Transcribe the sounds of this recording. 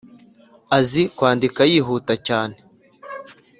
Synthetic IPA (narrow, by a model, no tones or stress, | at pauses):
azikwaːndikajiːɦuːtacaːne